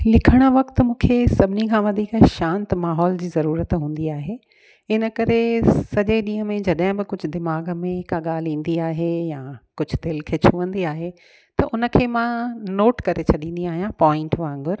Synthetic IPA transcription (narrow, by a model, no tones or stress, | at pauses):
lɪkʰəɽ̃ə̆ʋɐkt̪mũːkʰesɐbʱɪnikʰãːʋɐd̪ʱiːkʃãːnt̪maːɦɔːld͡ʑiːzɐɾuːɾət̪ɦũːn̆d̪iaːɦeː | ɪnəkɐɾesɐʄeɗĩːɦə̃mẽd͡ʑɐɗɦɪ̃bɪkʊd͡ʑʱʊ̆d̪ɪmaːɡmẽkaɠaːlĩːn̆d̪iaːɦejãːkʊd͡ʑʱd̪ɪlkʰeːt͡ɕʰʊʋə̃nd̪iaːɦe | t̪ɐʔʊnə̆kʰeːmãnoːʈkɐɾet͡ɕʰɐɗĩːn̆d̪iaːɦijãpɔːɪ̃ɳʈʋãːŋɡʊɾ